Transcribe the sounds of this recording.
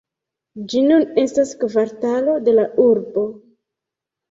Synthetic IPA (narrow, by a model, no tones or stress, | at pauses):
d͡ʒinune̞staskvaɾtalo̞de̞laʔuɾbo̞